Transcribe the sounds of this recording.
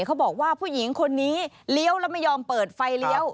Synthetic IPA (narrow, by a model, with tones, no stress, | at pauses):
kʰa˦˥wbɔː˨˩k̚waː˥˩pʰuː˥˩ji˩˦ŋkʰo˧nːiː˦˥ | li˦˥ə˩wlɛː˦˥ma˥˩jɔː˧mpɤː˨˩t̪̚fa˧jli˦˥əw